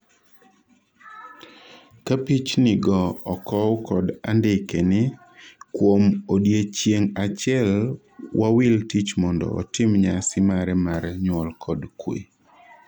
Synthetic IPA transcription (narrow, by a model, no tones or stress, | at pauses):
kapit͡ʃnɪɡɔɔkɔwkɔda̰ndɪkenɪ | kwomodjet͡ʃjeŋat͡ʃɛl | wʔawɪltit͡ʃmɔndɔ̰ɔ̰tɪmɲasɪmaɾɛmaɾɛɲwɔlkʰɔdkwḛ